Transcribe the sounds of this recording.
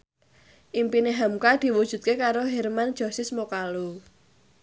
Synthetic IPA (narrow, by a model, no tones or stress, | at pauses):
ʔimpineɦamkad̪̥i̤wud̥ʒ̥ṳt̪̚kekaɾoɦɛrmand͡ʒʒ̥ɔ̤sɪsmokalu